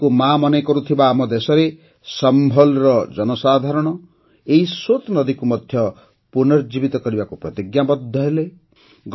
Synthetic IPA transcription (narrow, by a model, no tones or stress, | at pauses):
kumamɔnekɔɾut̪ʰibaːmɔd̪esɔɾe | sɔmbʱɔlɔɾɔd͡ʒɔnɔsad̪ʱaɾɔɽ̃ɔ | eɦisot̪nɔd̪ikumɔd̪ʱjɔ | punɔɾd͡ʒibit̪ɔkɔɾibakupɾɔt̪iɡjabɔd̪ʱːɔɦele | ɡ